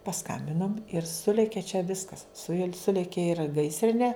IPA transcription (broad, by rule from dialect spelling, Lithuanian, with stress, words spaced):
pɐsˈkɐmʲbʲɪnoːm ɪr ˈsʊlʲeːkʲeː t͡ʃʲɛ ˈʋʲɪskɐs sʊ juɔ ˈsʊlʲeːkʲeː ɪr ˈɡɐɪsʲrʲɪnʲeː